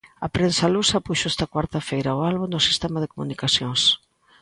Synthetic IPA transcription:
ɐpɾensɐlusɐpuʃoɛst̪ɐakwaɾt̪ɐfejɾaoalβuŋd̪ʊsi̥st̪ɛmaðekomunikasjoŋs

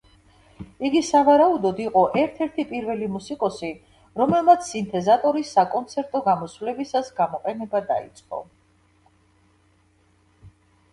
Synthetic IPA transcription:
iɡisavaɾaud̪ɔd̪iqʼɔʔɛɾt̪ʰɛɾt̪ʰipʼiɾvɛlimusikʼɔsi | ɾɔmɛlˠmat̪sʰːint̪ʰɛzat̪ʼɔɾisːakʼɔnt̪sʰɛɾt̪ʼɔɡamɔsvlɛbisasɡamɔqʼɛnɛbad̪a̰ḭt̪sʼqʼɔ̰

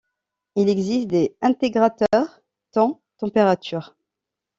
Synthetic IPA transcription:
ilɛɡzist̪d̪eɛ̃t̪eɡʁat̪œʁ | t̪ɑ̃ | t̪ɑ̃peʁat̪ʰyːʁ

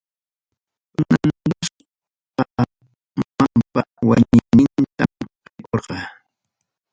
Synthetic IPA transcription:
ʊnand̪ʊs | pa | ampawa̰ɲɪnɪnt̪amɾɪkoɾɢɑ

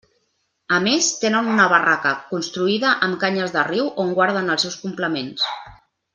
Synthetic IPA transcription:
əmest̪enənunəβ̞ərakəkunst̪ɾuiðəʔəmkaɲəzðəriwʔoŋɡwaɾð̞ənəlˠsɛwskumpləmens

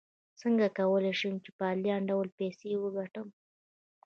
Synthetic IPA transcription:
səŋɡakawəleʃəmt͡ʃepəaljɑɳɖawlpesewəɡaʈəm

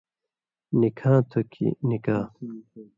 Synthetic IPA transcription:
nikʰãːt̪ʰokʰḭnikaː

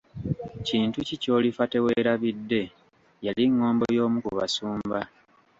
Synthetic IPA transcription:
ciːntucico̞ːlifate̞we̞ːɾaβidːe̞ | jaliŋːo̞ːmbojo̞ːmukuβa̰suːmba

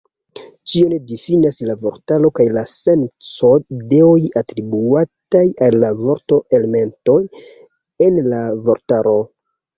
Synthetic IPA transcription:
t͡ʃio̞nedifinaslavo̞ɾtalo̞kajlase̞nt͡so̞de̞ojatɾibuatajalːavo̞ɾto̞ʔeleme̞nto̞j | e̞nlavo̞ɾtaɾo̞

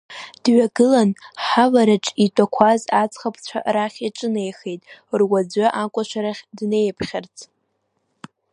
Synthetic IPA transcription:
d̥ɥaɡɨlanħavaɾaʈ͡ʂʼitʷʼakʷʰazat͡sʰʼχapʰt͡ɕʷʰa̰raχʲiʈ͡ʂʼɨnejxejtʼrwad͡zʷaʔakʷʼaʃʷaɾaχʲdne̞jpʰχʲart͡sʰʼ

